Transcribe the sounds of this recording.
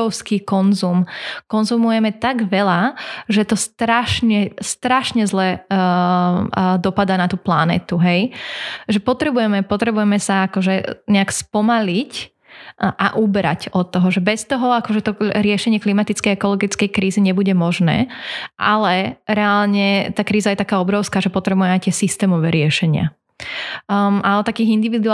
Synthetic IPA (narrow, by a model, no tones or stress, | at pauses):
ɔʊskiːkɔnzumkɔnzumujɛmɛt̪aɡʋɛlaʒɛt̪ɔst̪ɾaʃɲɛst̪ɾaʃɲɛzlɛ | d̪ɔpad̪aːnat̪uːplanɛ̰ːt̪uɦɛjʒɛpɔt̪ɾɛbujɛmɛpɔt̪ɾɛbujɛmɛsaakɔʒɛɲɛakspɔmalic | ʔaʔubɾa̰cɔt̪ːɔɦɔʒɛbɛst̪ɔɦɔakɔʒɛt̪ɔɾɪɛʃɛɲɪɛklimat̪it͡skɛjɛkɔlɔɡit͡skɛjkɾiːziɲɛbuɟɛmɔʒnɛ̰ːʔa̰lɛɾɛalɲɛt̪aːkɾiːzajɛt̪akaːɔbɾɔʊskaːʒɛpɔt̪ɾɛbujɛmajt̪ɪɛsist̪ɛːmɔʋɛːɾɪɛʃɛɲɪa̰ | aɔt̪ːakiːɣind̪iʋid̪u